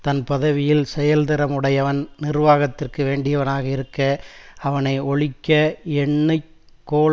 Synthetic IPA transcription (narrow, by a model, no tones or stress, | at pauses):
t̪ɐnpɐðɐʋɪjɪlsɛjɐld̪ɐɾɐmɯɽɐjɐʋɐnnɪrʋaːɣɐt̪ːɪrkɯʋeːɳɖɪjɐʋɐnaːɣɐɪɾɯkːɐɐʋɐnɐɪɔɭɪkːɐɛɳːɐɪ | kːoː